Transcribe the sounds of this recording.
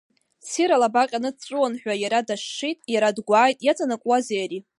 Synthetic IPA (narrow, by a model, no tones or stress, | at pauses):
siɾalabaqʲʼanɨt͡ʃʷʼʊwanħʷᶣajaɾadaʂːitʼjaɾadɡʷaːjtʼjat͡sʰʼanakʷʼwazejaɾi